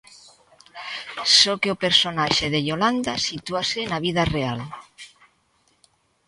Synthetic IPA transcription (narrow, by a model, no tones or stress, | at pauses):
sokeopeɾsonaʃeðeʎoland̪asit̪uaseːnaβ̞iðareal